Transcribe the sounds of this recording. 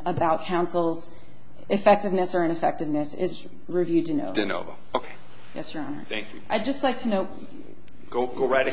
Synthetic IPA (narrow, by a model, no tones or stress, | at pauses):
əbaʊt̚kʰãʊ̃nsl̩ˠz | ɨfɛk̚tɨvnɨsə˞ɨ̃ñɨfɛk̚tɨvnɨsɪ̰z | ɹivjʉd̚ɨno̰ʊvɨno̰ʊvo̰ | oʊkʰeɪ | jɛ̰sjə˞ɑ̰̃nə̰˞θæ̃ŋkjʉʔaɪdd͡ʒʌstˡlaɪk̚tʰɨnoʊt̚ | ɡ̥oʊɡoʊɹaɪɾ